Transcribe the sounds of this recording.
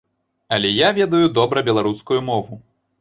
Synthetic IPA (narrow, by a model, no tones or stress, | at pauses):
ɐlʲɛjavʲɛd̪ɐjud̪ɔbɾɐbʲɛlˠaɾuskujumɔvu